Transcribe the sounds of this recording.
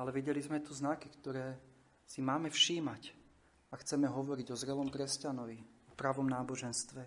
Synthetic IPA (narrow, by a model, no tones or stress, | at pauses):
alɛʋiɟɛlizmɛt̪uznakikt̪ɔɾɛː | simaːmɛfʃiːmac | axt͡sɛmɛɦɔʋɔɾiɟɔzɾɛlɔmkɾɛscanɔʋiɔpɾaʋɔmnaːbɔʒɛnst̪ʋɛ